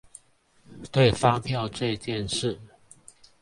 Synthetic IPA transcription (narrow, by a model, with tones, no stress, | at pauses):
t̪we˥˨ɪfa˥˦ŋpʰjɑ˥˨ʊʈ͡ʂɤ˥˧t͡ɕjɛ˥˨nʂɻ̩˥˨